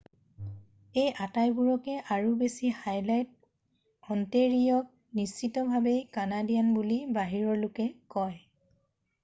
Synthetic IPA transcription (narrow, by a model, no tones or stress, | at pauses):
ejʔatajbuɹɔkɛʔaɹubesihajlajt̚ | ɔnteɹijɔk̚ | nist͡ʃitɔbʱabejkanadijanbulibaɦiɹɔɹlʊkɛkɔj